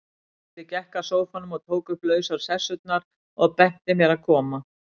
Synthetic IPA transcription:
t̪ɪcɛhkasoːwfɔnʏmɔɣt̪ʰoːwkʏplœːɥsaɾ̥sɛsʏt̪̚naɾ̥ | ɔɣpɛn̥t̪ɪmjɛɾaðkʰɔːma

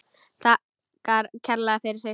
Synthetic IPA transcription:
θa | kaɾcʰɛɾlaðafɪɾɪɾse

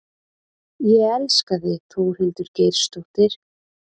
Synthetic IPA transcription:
jɛɣɛlskaðɪt̪ʰvuwɾhʏnt̪ʏɾceːjɾ̥st̪oht̪ɪɾ̥

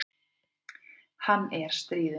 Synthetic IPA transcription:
hanːɛɾ̥st̪ɾiːðɪ

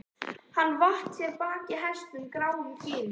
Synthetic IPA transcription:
hanːvaht̪sjɛɾpaːcɪɦɛst̪ʏmkɾaːwʏmcɪːn

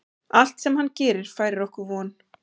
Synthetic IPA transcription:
al̥t̪sɛmɦanːcɛːɾɪɾ̥faːjɾɪɾɔhkʏɾvɔːn

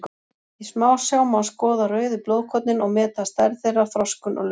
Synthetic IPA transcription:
ismaːwsjaːwmawskɔːðarœːɥðɪploːwðkʰɔt̪nɪnɔɣmɛːt̪ast̪aɾθejrːḁθɾɔskʏnʔɔ̰ɣl

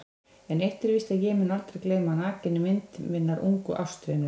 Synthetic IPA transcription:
ɛnejht̪ɪɾvist̪ajɛmɪnalt̪ɾɛkleːjmanaːcɪnːʏmɪnt̪mɪnːaɾṵŋkʏ̰ʔawst̪ɾejnʏ

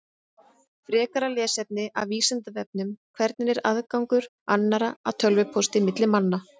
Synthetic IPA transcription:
fɾɛːkaɾalɛːsɛp̚nɪʔa̰vviːsant̪avɛp̚nʏmkʰvɛɾt̪nɪnɛɾaðkawŋkʏɾ̥ | anːaɾaa̰t̪ʰœlvʏpʰɔst̪ɪmɪt̪lɪmanːa

